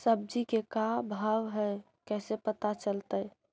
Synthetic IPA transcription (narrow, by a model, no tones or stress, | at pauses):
səb̚d͡ʒikekabʱaʋɦɛj | kɛsepət̪at͡ʃəlt̪əj